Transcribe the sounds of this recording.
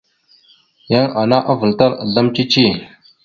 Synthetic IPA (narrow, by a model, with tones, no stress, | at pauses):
ja˦ŋa˨na˦ʔa˦və˨lta˦ɾda˦mt͡ʃi˦t͡ʃi˦˨